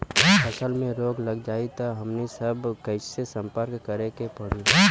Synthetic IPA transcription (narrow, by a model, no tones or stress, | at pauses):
ɐsəlmẽɾoːɡlɐɡd͡ʒaːit̪aɦɐmnisəbkɐɪsesə̃mpəɾkːəɾekepɐɽ̤i